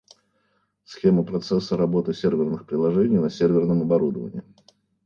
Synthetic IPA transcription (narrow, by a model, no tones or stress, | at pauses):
sxʲe̞məpɾɐt̪sɛsːəɾɐbo̞t̪ɨsʲervʲɪrnɨxpɾʲɪlˠɐʐɛnʲɪjnɐsʲervʲɪrnəmɐbɐɾud̪əvə̰nʲɪ̰ː